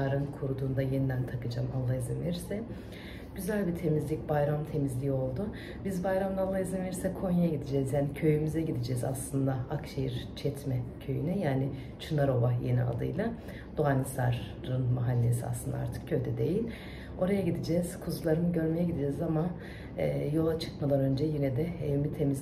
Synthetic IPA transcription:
ɾɯnkʰuɾud̪uːnd̪ajenid̪ænt̪ʰakɯd͡ʒamalˠːaizimveɾisɛ | ɟ̥yzælʲbit̪ʰe̞mizlʲic̚bajɾamt̪ʰe̞mizlʲiːo̞lˠd̪ʊ | bizbajɾamd̪aːlːˠaizimveɾisɛkʰo̞najaɟid̪id͡ʒɛzjaːnicʰø̞jymyzɛɟid̪id͡ʒɛza̰slˠɯnd̪aakʃejiɾt͡ʃʰɛt̪mɛcʰø̞jynɛjaːnɪ | t͡ʃʰɯnaɾo̞vajenḭa̰d̪ɯ̰jlˠa | d̪̥oɦanisa̰ɾː | ɯnmaɦalʲːesia̰slˠɯnd̪aa̰ɾt̪ʰɯ̥k̚cʰøjd̪ɛd̪e̞jilʲ | o̞ɾajaɟid̪id͡ʒɛz̥kʰuzlˠaɾɯnɯɟø̞ɾme̞jɛɟid̪id͡ʒɛzama | ɛːjo̞lˠat͡ʃʰɯ̥kmad̪ˠanø̞nd͡ʒɛjinɛd̪ɛɛvimit̪ʰe̞miz

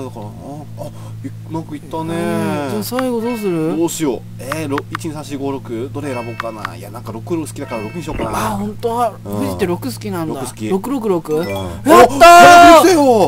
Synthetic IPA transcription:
d̪akɾaː | i | mãkɯit̪ːaned͡ʑaːsaiɡo̞d̪o̞ːs̬ɨɾɯ̟dd̪oːɕijo | eɾoit͡ɕiɲĩsãɕiɡoːɾo̞kɯ̟d̪o̞ɾeɾabokkana̰ja̰nãŋkaɾo̞kɯ̟ɾokɯ̟sɨ̥kʲid̪akaɾaɾo̞kɯ̟ɲĩɕokana̰ahõ̞nt̪oaɸɯ̟ʑit̪ːeɾo̞kɯ̟sɨ̥kʲinãnɾd̪akɯsɨ̥kʲiɾo̞kɯ̟ɾo̞k̬ɯ̟ɾo̞kɯ̟aat̪ːaaiejo

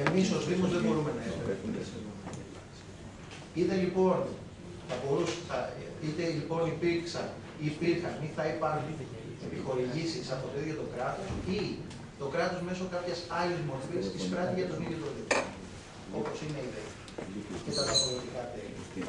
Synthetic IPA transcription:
e̞miso̞zðimo̞zðebo̞ɾume̞nɐeseɾeumt̪esmonɐelɐ̰s | it̪elipo̞n | θɐbo̞ɾusθɐit̪elipo̞nipiɾksɐn | ipiɾxɐniθɐipɐnepixo̞ɾiʝisisɐnt̪ot̪eðʝot̪o̞kɾɐt̪o̞si | t̪o̞kɾɐt̪o̞zme̞so̞kɐpçesɐlezmo̞ɾfiesispɾɐniʝɐt̪o̞niðjot̪ɾot̪it̪i | o̞po̞sine̞iðe | cet̪ɐðɐpoɾot̪ikɐt̪elo̰

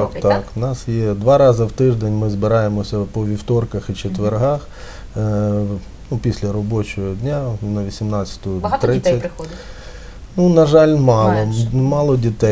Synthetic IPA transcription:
kt̪ɑknɑsjɛd̪ʋɑɾɑzɐwt̪ɪʒd̪enʲmɪzbɪɾɑjemɔsʲɐpɔʋʲiwt̪ɔrkɐxit͡ʃet̪ʋerɦɑx | nupʲisʲlʲɐɾɔbɔt͡ʃɔɦɔdʲnʲanɐʋʲisʲimnɑt͡sʲɐ̥t̪ʊʊt̪ɾɪt͡sʲːɐtʲ | nunɐʒɑlʲmɑlˠɔmɑlˠɔdʲit̪ɛ

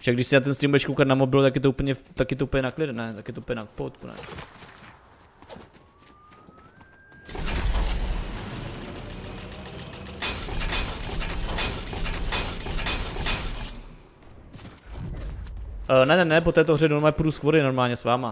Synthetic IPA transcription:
fʃaɡdɪʃsɪnat̪̬ɛnst̪ɾiːmbuɛʃkowkat̪namobɪlt̪akjɛt̪̬oupəɲɛt̪akjɛt̪oupəɲɛnaklɪdɛnɛt̪akjɛt̪oupəɲɛnapowt̪kunɛ̰ | nɛnɛnɛpot̪ɛːt̪oɦrɛnoɾmaːɛpuɾuskvoɾɪnoɾmaːlɲɛsvaːma

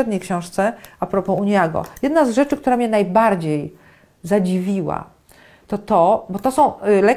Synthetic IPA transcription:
ɛd̪ɲejkɕɔ̃w̃ʂt̪sɛapɾɔpɔuɲjaɡɔ̰jɛd̪nazʐɛt͡ʂɘk̚t̪uɾamʲɲɛnajbaɾd͡ʑej | zad͡ʑivʲiwa̰ | t̪ɔt̪ɔbɔt̪ɔsɔ̃w̃lɛ

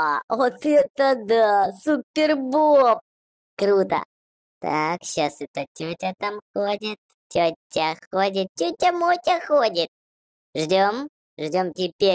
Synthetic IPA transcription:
avot̪ɛt̪əd̪asupʲːɪrbop̚ | kɾut̪ə̰ | t̪a̰kɕasɛt̪ətʲotʲat̪amxodʲɪt̪̚ | tʲotʲːaxodʲɪt̪̚tʲut̚ʲːamotʲaxodʲɪt̪̚ | ʐdʲom | ʐdʲomtʲɪpʲe

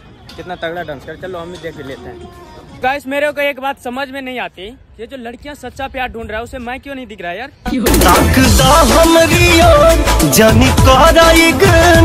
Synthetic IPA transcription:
kɪt̪nat̪əɡɽaɖãːnskəɾt͡ʃɐloɦɐmĩd̪eːkʰeleːt̪eɦɛ̃ːkaːɪsmeːɾeokaeːkbaːt̪sɐməd͡ʒʱmẽnɐɦĩaːt̪i | jed͡ʒoːlɐɽkijãsɐt̪ːʃapjaːɾɖʱũːɳɖɾaːɦɛʊsemɛ̃kjõnɐɦĩd̪ɪkʰɾaːjaːɾt̪ãːkt̪aɦɐmɾijoːd͡ʒaːnik̪aːɾaːiɡə

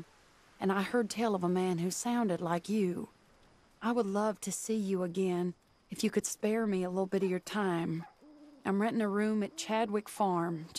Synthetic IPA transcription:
ɨ̃ñaɪhɜ˞d̚tʰɛɪlˠʌvəmæ̃nhʉsãʊ̃ndɨdˡlaɪkjɨ | ʔaɪwədˡlʌv̥tʰɨsijɨəɡɛ̃n | ɨfjɨkɨd̥spɛɹmiəlɪɾl̩ˠbɪɾʌvjə˞tʰãɪ̃mʔãɪ̃mɹɛ̃ɾɨ̃nɨɹʉ̃mɨt̚t͡ʃʰæd̚wɪkfɑɹm

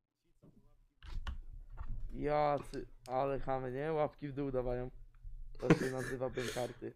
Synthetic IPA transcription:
jasɨalɛxamɘɲɛwapkʲivd̪uud̪avajɔ̃mt̪ɔɕɛnazɘvabɛmkaɾt̪ɘ

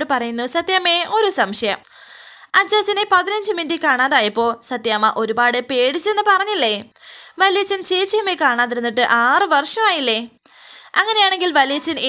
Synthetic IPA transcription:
ɽɨpɐrɐjunːusɐt̪jaːmeo̞ɾusɐmʂɐjɐ̰m | ɐd͡ʑːaːsɐnepɐðinɐɲd͡ʑɨmindikaːɳaːðaːjɐpːo̞ːsɐt̪jaːmɐʔo̞ɾubaːɽepe̞ːɽit͡ɕːenːɨpɐrɐɲːilːeʋɐlijɐt͡ɕːɐnt͡ɕeːt͡ɕːɐjɐmekaːɳaːt̪ːiɾunːiʈːɨʔaːrɨʋɐrʂɐmaːjilːe | ɐŋːɐne̞jaːɳe̞ŋɡilʋɐlijɐt͡ɕːɐne

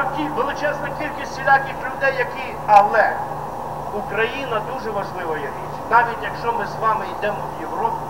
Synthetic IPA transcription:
kʲiʋelˠɪt͡ʃɛsnɔkʲilʲkʲisʲsʲilʲakʲixlʲʊd̪ɛjːɐkʲi | ɐlˠɛ | ukɾɐjinɐd̪uʒɛʋɐʒlˠɪʋɐjɛi | nɑʋʲitʲjɐkʃt͡ʃɔmɪzʋɑmɪid̪ɛmɔwjeʋɾɔpʲɪ

